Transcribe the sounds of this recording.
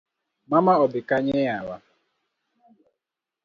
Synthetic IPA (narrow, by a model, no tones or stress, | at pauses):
mamaɔbɪkaɲejawa̰